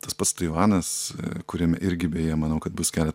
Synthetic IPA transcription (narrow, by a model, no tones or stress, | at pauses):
t̪ɐspɐt̪st̪ɐɪʋɑːnɐskʊɾʲiɛmʲɛʔɪɾʲɡʲɪbʲeːjeːjmɐnɐʊkɐt̪bʊskʲæːlʲɛt̪